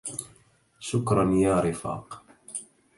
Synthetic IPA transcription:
ʃʊkɾˤɑnjaːɾɪfɑ̰ːq

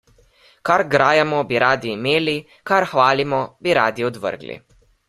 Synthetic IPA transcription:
kaɾɡɾaːjɛmɔbiɾaːd̪iːmeːli | kaɾxʋaːlimɔbiɾaːd̪iɔd̪ʋə̰ɾɡlḭ

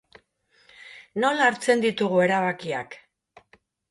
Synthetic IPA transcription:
no̞laːɾt͡se̞nd̪it̪uɣue̞ɾaβakia̰k

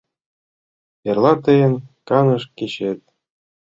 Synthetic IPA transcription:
erlˠɑt̪ɤjɘ̆nkɑnɤ̆ʂkeɕet̪̚ʲ

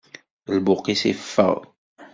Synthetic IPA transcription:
lbʊqːisḭfə̰ʁ

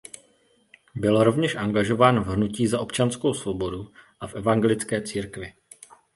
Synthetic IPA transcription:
bɪlɾo̞vɲɛʃʔaŋɡaʒo̞vaːnvɦnuciːzaʔo̞pt͡ʃanskowsvo̞bo̞duʔafʔɛvaŋɡɛlɪt͡skɛːt͡siːɾkvɪ

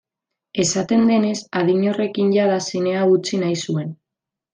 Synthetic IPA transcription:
e̞sat̪e̞nd̪e̞ne̞saðiɲo̞re̞kinʝaðasine̞aut͡sinajsue̞n

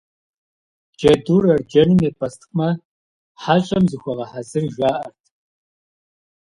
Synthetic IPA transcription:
d͡ʒɐduːrɐrd͡ʒɐnɨmeːpʰɐstʰχʼmɐ | ħaːɕʼɐmzɨxʷɐʁɐħazɨrʒʷaːʔɐrtʰ

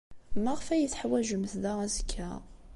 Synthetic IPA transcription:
mæʁəfæjət͡sːħwæʒəmθðææzəkʰːæ

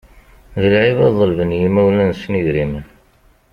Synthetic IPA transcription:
ðəlʕivæðˤəlvənjimæwlænsnəʝɾim

